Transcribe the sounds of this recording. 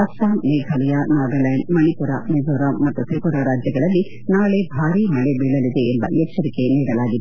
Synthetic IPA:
ɐʃaːmneːɡʱɐlɐjanaːdɐlɐjɳɖmɐnipuɾaned͡ʒoːɾamɐt̪ːut̪ʰikuɾɐɾaːd͡ʒjɐɡɐɭɐlːi | naːɭebʱaːɾimɐɭebiɭɐlid̪e̞ːmbɐ̰ɛkt͡ʃɐɾike̞niːɾɐlaːɡid̪

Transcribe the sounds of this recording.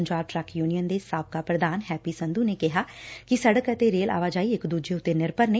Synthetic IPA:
ɲd͡ʒaːb̚ʈɾɛkjuːnijənd̪eːsaːp̚kaːpɾəd̪aːnɦɛːpiːsə̃nd̪uːneːkɪɦaːkɪsəɽəkət̪eɾeːlʔa̰ːʋaːd͡ʒaːiːɪkd̪uːd͡ʒeːʊt̪ːeːnɪɾpəɾneː

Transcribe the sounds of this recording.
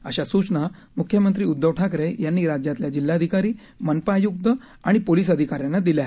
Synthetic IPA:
əɕasut͡sna | mukʰjəmənt̪ɾiːud̪ʱːəʋʈʰakɾejanːiːɾad͡ʑjãt̪ljad͡ʑilːaəd̪ʱikaɾiː | mənpajuɡ̚d̪ə | aɽ̃ipoliːs̬əd̪ʱikaɾjanːad̪iljaɦ

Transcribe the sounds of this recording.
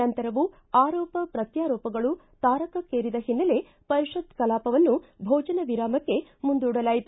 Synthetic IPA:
ɐnt̪ɐɾɐʋu | aːɾɔːpɐpɾɐt̪jaːɾɔːpɐɡɐɭu | t̪aːɾɐkɐkeːɾid̪ɐɦinːɐle̞ | pɐɾiʃɐd̪kɐlaːpɐʋɐnːubʱɔːd͡ʒɐnɐʋiɾaːmɐkːe̞mund̪uːɽɐlaːjit̪u̥

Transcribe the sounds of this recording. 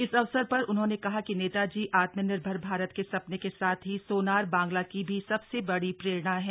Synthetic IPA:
ɪsɐʋsəɾpɐɾʊnɦõːnekɐɦakineːt̪ad͡ʒiːʔaːt̪mənɪɾbʱəɾbʱaːɾət̪̚kesɐpnekesaːt̪ʰɦisoːnaːɾbãːŋɡlakibʱisɐbsebɐɽipɾeːɾɽaɦɛ̃ː

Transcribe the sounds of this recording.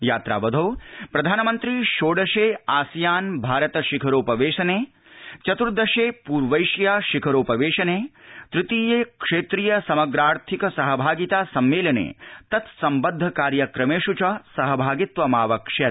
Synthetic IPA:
jaːt̪ɾa̰ːʋɐd̪ʱoːpɾɐd̪ʱaːnɐmɐnt̪ɾiʃoːɖɐʃeːaːsjaːnbʱaːɾɐt̪ɐʃikʰɐɾoːpɐʋeːʂɐneː | t͡ʃɐt̪uɾd̪ʱɐʂeːpuːɾʋɐjʂjaːʃikʰɐɾoːpɐʋeːʂɐneːt̪ɾɪt̪iːjeːkʂeːt̪ɾijɐsɐmɐɡɾaːɾt̪ʰikɐsɐɦɐbʱaːɡit̪aːsɐmːeːlɐnḛːt̪ɐt̪sɐmbɐd̪ʱːɐkaːɾjɐkɾɐmeːʃut͡ʃɐsɐɦɐbʱaːɡit̪ʋɐmaːʋɐkʂet̪̚

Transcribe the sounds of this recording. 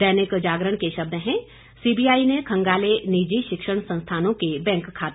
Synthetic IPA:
ɛːnɪkd͡ʒaːɡɾəɽ̃keʃɐb̚d̪ɦɛ̃ | siːbijaːinekʰɐ̃ŋɡaːlenid͡ʒiʃɪkʃəɽ̃sɐ̃nst̪ʰaːnõkebɛ̃ːŋkʰːaːt̪

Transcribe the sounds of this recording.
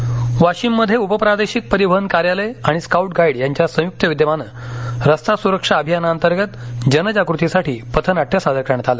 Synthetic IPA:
ʋaɕimːəd̪ʱːjeupəpɾad̪eɕik̚pəɾibʱəənkaɾjaleaɽ̃iskauʈ̚ɡaiɽjaɲt͡ɕjasə̃juk̚t̪əʋid̪jəmanə | ɾəst̪ʰasuɾəkʂaəbʱijanaənt̪əɾɡət̪d͡ʑənəd͡ʑakɾut̪isaʈiːpət̪ʰənaʈʰːjasad̪əɾkaɳt̪ʰalə

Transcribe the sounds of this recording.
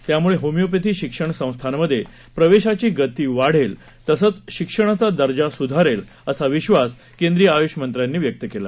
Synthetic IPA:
t̪jamuɭeɦomijop̬it̪iːɕikʂəɳsə̃w̃st̪ʰanməd̪ʱːje | pɾəʋeɕat͡ɕiːɡət̪iːʋaɽ̤el | t̪əsət͡sɕikʂəɳ̃at͡sad̪əɾd͡ʑasud̪ʱaɾel | əsaʋiɕʋas | kend̪ɾijəajuɕmənt̪ɾjanːiːʋjək̚t̪əkela̰

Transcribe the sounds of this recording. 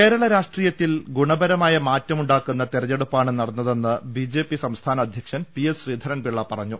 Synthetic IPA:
ke̞ːɾɐɭɐɾaːʂʈriːjɐt̪ːilɡuɳɐbɐɾɐmaːjɐmaːtːɐmuɳɖaːkːunːɐt̪irɐɲeɽupːaːɳɨnɐɽɐnːɐðe̞nːɨbiːd͡ʑe̞ːpːisɐmst̪ʰaːnɐːd̪ʱjɐkʂɐnpijesriːd̪ʱɐɾɐnbiɭːɐpɐrɐɲːu

